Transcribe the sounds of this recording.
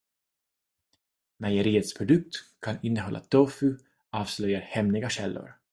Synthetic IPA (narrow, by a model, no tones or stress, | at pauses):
majəɾiːət̪spʰɾʊd̪ɵk̚t̪kʰanɪnːəɦɔlːa̰t̪ʰɔfʉ | ɑːvslœjaɾhɛmnɪɡaɕɛlːʊ̰ɾ